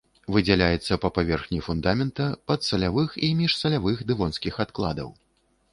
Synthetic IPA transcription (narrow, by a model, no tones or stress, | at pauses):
vɨd͡zʲɛlʲajɛt̪sːɐpɐpavʲɛrxnʲifund̪amʲɛnt̪ɐpɐt̪sɐlʲavɨximʲiʂsɐlʲavɨxd̪ɨvɔnskʲixat̪klˠa̰d̪ɐ̰w